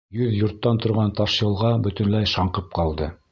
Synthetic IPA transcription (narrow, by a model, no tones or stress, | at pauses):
jɵðjŏɾt̪ːɑnt̪ŏɾʁɑnt̪ɑʃjɤ̆lˠʁɑbɵ̆t̪ɵ̆nlæjʃɑɴqɤp̚qɑlˠd̪ɤ